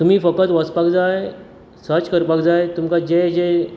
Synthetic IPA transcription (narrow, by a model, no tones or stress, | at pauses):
t̪um̤iːfəkət̪ʋəspakd͡zaj | sət͡skəɾpakd͡zajt̪umkad͡ʑed͡ʑe